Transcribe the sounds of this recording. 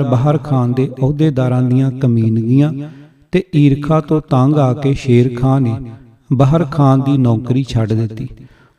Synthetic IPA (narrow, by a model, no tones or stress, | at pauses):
bəɦəɾkʰaːnd̪eːʔɔːd̪eːd̪aːɾãːd̪ɪjãːkəmiːnɡɪjãː | t̪eːʔiːɾkʰaːt̪õːt̪ãːŋɡaːkeːʃeːɾkʰaːneː | bəɦəɾkʰaːnd̪iːnɔ̃ːkɾiːt͡ʃʰəɖd̪ɪt̪ːiː